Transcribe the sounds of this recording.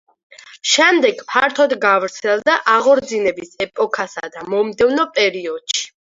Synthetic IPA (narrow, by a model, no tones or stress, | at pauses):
ʃɛmd̪ɛɡpʰaɾt̪ʰɔd̪ɡavɾt̪sʰɛlˠd̪aʔaʁɔɾd̪zinɛbisɛpʼɔkʰasad̪amɔmd̪ɛvnɔpʼɛɾiɔd̪̥ʃi̥